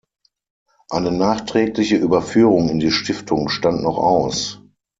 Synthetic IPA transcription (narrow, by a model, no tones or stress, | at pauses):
ʔaɪnənaːχtʁ̥ɛːklɪçəʔyːbɐfyːʁʊŋɪndiːʃtɪftʰʊŋʃtantnɔχa̰ʊs